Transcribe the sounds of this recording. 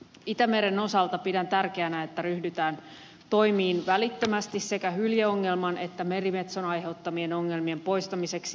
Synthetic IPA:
it̪æmeɾe̞no̞sɑlt̪ɑpidænt̪ærkeænæet̪ːæryhdyt̪æːn | t̪o̞jmiːnʋælit̪ːømæst̪isse̞kæhyljeoŋːe̞lmɑne̞t̪ːæme̞rime̞t̪sonɑjɦe̞wt̪ːɑmie̞noŋːe̞lmie̞mpo̞jst̪ɑmise̞ksi

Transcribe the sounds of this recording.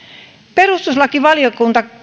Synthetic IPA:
perust̪uslɑkiʋɑljokunt̪ɑ

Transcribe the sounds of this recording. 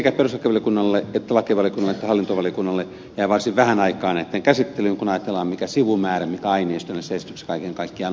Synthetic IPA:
ekæperusʋɑkeʋɑlijokunːɑlːeet̪ːælɑkeʋɑljokunːɑlːˑet̪ːæhɑlːint̪oʋɑliokunːɑlːe | jæiʋɑrsiʋʋæhænɑikɑːnet̪ːeŋkæsit̪ːelyŋkunɑjɑt̪elːˑɑːmmikæsiʋumæːræmikæɑineist̪onːeseist̪ykse̥kɑikeŋkɑikːiɑ

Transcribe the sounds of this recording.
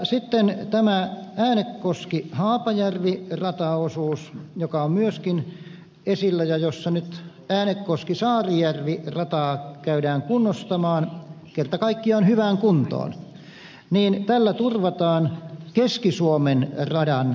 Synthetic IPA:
sit̪ːent̪æmææːnekːkoskihɑːpɑjærʋirɑt̪ɑosuːsjokɑommyøskin | esilːæjɑjosːɑnyt̪ | æːnekkoskisɑːrijærʋirɑt̪ɑːkæydæːŋkunːost̪ɑmɑːn | kert̪ɑkɑikːiɑonhyʋæŋkunt̪o̰ːn | niːnt̪ælːæt̪urʋɑt̪ɑːnkeskisuomenrɑdɑn

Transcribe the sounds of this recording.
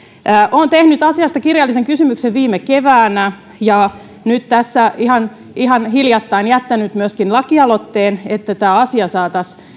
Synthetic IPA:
ʔont̪ehnyt̪ɑsiɑst̪ɑkirjɑlːiseŋkysymykseʋʋiːmekeʋæːnæ | jɑ | nyt̪t̪æsːæiɦɑn | iɦɑnhiljɑt̪ːɑinjæt̪ːænyt̪myøəskinlɑkiɑlo̞t̪ːeːnet̪ːæt̪æːɑsiɑsɑːt̪ɑs

